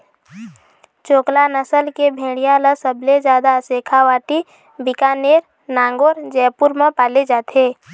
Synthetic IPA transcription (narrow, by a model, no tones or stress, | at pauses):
t͡ʃoːklanəsəlkebʱẽːɽijãləsəbled͡ʒjaːd̪aseːkʰawaːʈi | bɪkaːneːɾ | naːŋɡoːɾd͡ʒɛːpʊɾmə̃paːled͡ʒaːt̪eː